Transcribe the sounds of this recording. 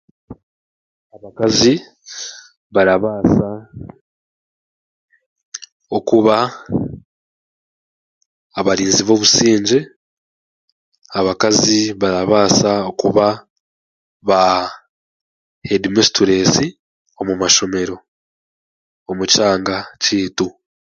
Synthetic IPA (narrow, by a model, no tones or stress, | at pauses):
aβakazi | βaɾaβaːsa | o̞kuβa | βaɾiːnziβo̞ːβusiːɲɟe̞ | aβakaziβaɾaβaːsaokuβa | βa | hedimestuɾe̞ːsi | o̞mumaʃo̞me̞ɾo̞ | omucaːŋɡaciːtu